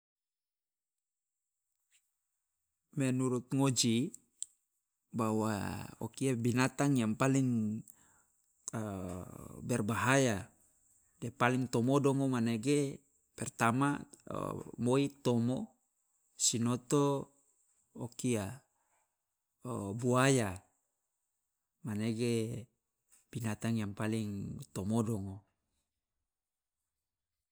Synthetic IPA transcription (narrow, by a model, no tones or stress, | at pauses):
mɛnuɾut̪̚ŋod͡ʒi | bawa̰o̰kiabinat̪aŋjaŋpaliŋ | bɛrbaɦaja | depaliŋt̪omodɔŋomaneɡe | pɛrt̪ama̰ | moit̪omo | sinot̪o | okia | buaja | maneɡe | b̥inat̪aŋjaŋpaliŋt̪omodɔŋo